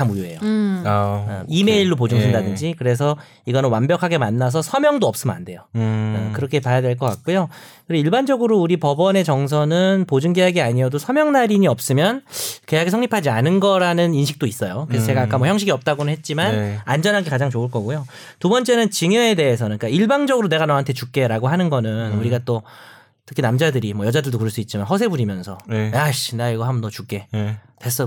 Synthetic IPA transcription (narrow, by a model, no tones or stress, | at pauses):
amujue̞̰jo | ime̞iɭːop̬od͡ʑuŋʰindadɯnd͡ʑikɯɾe̞sʰʌ | iɡʌnɯnwambjʌkʰaɡe̞manːas̬ʰʌsʰʌmjʌŋdoʌp̚s͈ɯmɯna̰nde̞jokɯɾʌkʰe̞pajadwe̞ɭk͈ʌk͈a̰k̚k͈ujokɯeiɭband͡ʑʌɡɯɾouɾipʌbʌne̞t͡ɕʌŋs̬ʰʌnɯnpod͡ʑuŋɡejaɡiaɲiʌdosʰʌmjʌŋnaɾiɲiʌp̚s͈ɯmjʌnkejaɡesʰʌŋɲipʰad͡ʑianɯnɡʌɾanɯninɕʰi̥k̚t͈ois͈ʌjokɯɾesʌt͡ɕe̞ɡaːk͈amʌçjʌŋɕ̬ʰiɡiʌp̚t͈aɡonɯnɦet̚t͡ɕ͈imannand͡ʑʌnɦanɡekad͡ʑaŋt͡ɕoɯɭk͈ʌɡujo | tubʌnt͡ɕ͈e̞nɯnt͡ɕiŋjʌe̞de̞ːsʰʌnɯnk͈aiɭbaŋd͡ʑʌɡɯɾone̞ɡanʌɦantʰe̞t͡ɕuk̚k͈e̞ɾaɡoɦanɯnɡʌnɯnuɾiɡat͈o | tʰɯ̥kʰinamd͡ʑadɯɾimʌjʌd͡ʑadɯɭdokɯɾʌɭs͈uit̚t͡ɕ͈imanɦʌsʰe̞buɾimjʌnsʰʌjaɕneaiɡʌɦamʌnʌt͡ɕuk͈e̞tes͈ʌ